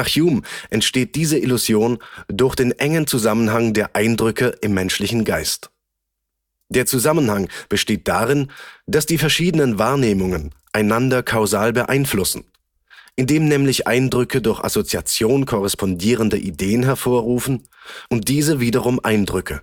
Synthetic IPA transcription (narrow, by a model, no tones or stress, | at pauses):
naχjuːmʔɛntʃteːt̚d̥iːzəʔɪluzjoːndʊɐçd̥eːnʔɛŋənt͡suzamənɦaŋdeːɐʔaɪndʁʏkəʔɪmːɛnʃlɪçn̩ɡaɪst | d̥eːɐt͡suzamənhaŋb̥əʃteːt̚d̥aːʁɪnd̥asd̥iːfɛɐʃiːdənənvaːɐneːmʊŋənʔaɪnandɐkʰaʊzaːlbəʔa̰ɪnflʊsn̩ | ʔɪndeːmnɛːmlɪçʔa̰ɪndʁʏkədʊɐçʔa̰sot͡siat͡sjoːnkʰɔʁɛspɔndiːʁ̞əndəʔideːənɦɛɐfoːɐʁuːfn̩ | ʔʊnt̚d̥iːzəviːdɐʁ̞ʊmʔaɪndʁʏkʰə